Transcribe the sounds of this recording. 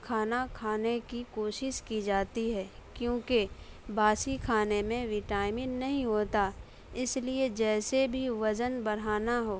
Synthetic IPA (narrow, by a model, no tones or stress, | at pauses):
kʰaːnakʰaːnekikoːʃɪʃkid͡ʒaːt̪iɦɛːkjõːke | baːsikʰaːnemẽʋɪʈaːɪmɪ̃nnɐɦĩɦoːt̪a | ɪslied͡ʒɛːsebʱiʋɐd͡ʒənbɐɽ̤aːnaɦoː